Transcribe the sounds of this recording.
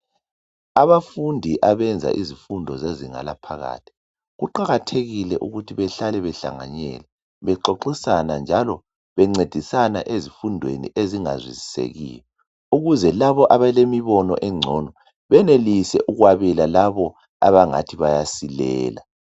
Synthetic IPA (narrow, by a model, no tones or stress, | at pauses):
aβafundʱiʔaβɛnd͡zʱa̰ʔizifundʱɔzeziŋa̰lapʰaɣa̰ːtʰi̥ | ɣuǃaɣatʰeɣilɛʔuɣutʰiβɛɬalɛβɛɬa̰ŋa̰ɲɛ̰lɛ | βɛǃoǃisanand͡ʒʱalɔ | βɛŋ͡ǀed̥ʱisanaʔezifundʱwḛnḭʔeziŋa̰zwizisḛɣḭːjɔ | uɣuzɛlaβɔʔaβalemiβɔnɔ̰ʔɛŋ͡ǀʱɔnɔ | βɛnelisɛʔuɣwaβɛlalaβɔ | a̰βaŋa̰tʰiβajasilɛ̰ːla